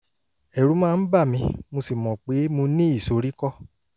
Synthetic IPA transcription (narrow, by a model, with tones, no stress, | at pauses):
ɛ˨ɾu˨˦mãː˦˧n̩˦ba˦˨mĩ˧mo˧si˨mɔ̃˨k͡pe˨˦mũ˧nĩ˦i˦˨so˨˧ɾi˦kɔ˦˨